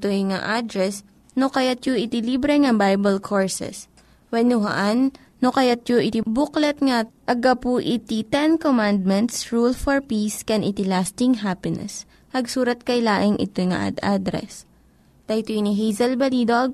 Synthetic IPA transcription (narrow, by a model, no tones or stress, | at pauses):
t̪ojŋa̰ʔad̪ɾɛs | nokɐjat̪̚joʔɪt̪ɪlibɾɛŋɐbajbɐlkʰoɹsɛ̰s | wɛnʊɦɐ̰ʔanː | okɐjat̪̚joʔɪt̪ɪbʊklɛt̪̚ŋaʔɐɡɐpuʔɪt̪it̪ɛnkomãnd̪̚mɛnt̪sɹulfɔɹpiskɛnʔɪt̪ɪlast̪ɪŋɦapɪnɛ̰s | hɐɡsuːɾɐt̪̚kɐjlaːʔɪŋʔɪ̰t̪ojŋa̰ʔd̪ad̪ɾɛ̰s | t̪ɐt̪oniɦijzɐlbɐlid̪oʔɐɡ̚